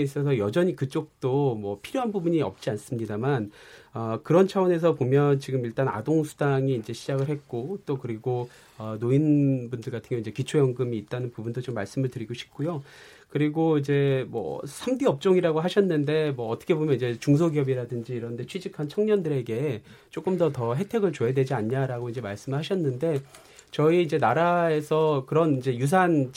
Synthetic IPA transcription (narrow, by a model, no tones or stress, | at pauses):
is͈ʌs̬ʰʌjʌd͡ʑʌɲikɯt͡ɕ͈ok̚t͈omwʌpʰiɾjoɦanbubuɲiʌ̰p̚t͡ɕ͈ians͈ɯmɲidamanʌkɯɾʌnt͡ɕʰawʌne̞s̬ʰʌpomjʌnt͡ɕiɡɯmiɭt͈ana̰doŋsʰudaŋiːnd͡ʑe̞ɕʰid͡ʑaɡɯɭhe̞t̚k͈ot͈okɯɾiɡo | ʌnoinbundɯɭɡatʰɯŋɡjoind͡ʑe̞kit͡ɕʰojʌŋɡɯmiːt̚t͈anɯnpubundot͡ɕomːaɭs͈ɯmɯɭtɯɾiɡoɕʰi̥p̚k͈ujo | kɯɾiɡoid͡ʑe̞mwʌ̰sʰamdiʌp̚t͡ɕ͈oŋiɾaɡoɦaɕʰʌnːɯnde̞mwʌːtʰʌ̥kʰe̞bomjʌnid͡ʑe̞t͡ɕuŋs̬ʰoɡiʌbiɾadɯnd͡ʑiːɾʌnde̞t͡ɕʰɥid͡ʑikʰant͡ɕʰʌŋɲʌndɯɾe̞ɡe̞ | t͡ɕ͈ok͈ɯmdʌtʌɦe̞tʰe̞ɡɯɭt͡ɕoɦedwe̞d͡ʑiaɲɲaɾaɡoind͡ʑe̞maɭs͈ɯmɯɭɦaɕʰʌnːɯnde̞ | t͡ɕʌiːnd͡ʑe̞naɾae̞sʰʌkɯɾʌnind͡ʑe̞jus̬ʰan